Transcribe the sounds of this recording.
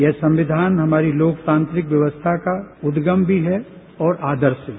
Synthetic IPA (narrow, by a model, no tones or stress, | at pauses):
jɛːsɐ̃mʋɪd̪ʱaːnɦɐmaːɾiloːkt̪ãːnt̪ɾɪkʋjɐʋəst̪ʰakaʊd̪ɡəmbʱiɦɛ | ɔːɾʔaːd̪əɾʃɦɛ